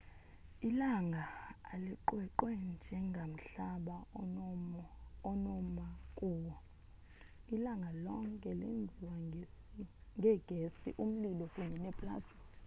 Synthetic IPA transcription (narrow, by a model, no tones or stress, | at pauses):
ilaŋɡʱaːliǃwɛǃwɛnd͡ʒʱɛŋɡʱam̩ɬaɓa | ɔnɔmakʼuːwɔ | ilaŋɡʱalɔŋkʼɛlḛnd͡zʱiwa | ŋʱɛɡ̥ʱesḭʔum̩lilɔkʼuɲɛnɛpʼla̰ːsi